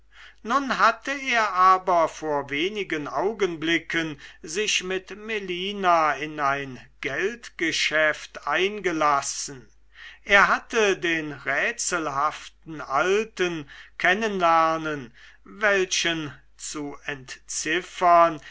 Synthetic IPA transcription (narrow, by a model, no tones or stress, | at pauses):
nʊnɦatəeːɐʔaːbɐfoːɐveːnɪɡənʔaʊɡənblɪkənzɪʃmɪtmeliːnaɪnaɪnɡ̥ɛltɡ̥əʃɛftʔaɪnɡəlasn̩ | ʔeːɐɦatədeːnʁɛːt͡səl̩ɦaftn̩ʔaltənkʰɛnənlæɐnən | vɛlʃən | t͡suɛntt͡sɪfɐn